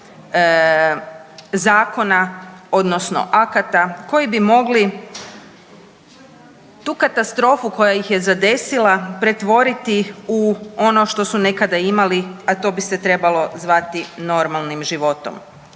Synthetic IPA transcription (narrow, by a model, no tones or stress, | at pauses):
zaːko̞nao̞d̪no̞sno̰ʔakat̪ako̞jibimo̞ɡli | t̪uːkat̪ast̪ɾo̞ːfuko̞jajixje̞zad̪e̞silapɾe̞t̪ʋo̞ɾit̪iuo̞no̞ʃt̪o̞sune̞kad̪aimaliat̪o̞ːbiset̪ɾe̞balo̞zʋat̪ino̞ɾmalˠnimʒiʋo̞t̪o̰m